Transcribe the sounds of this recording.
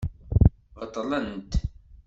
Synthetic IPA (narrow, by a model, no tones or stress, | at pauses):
ʁət̪ˤːlənt̪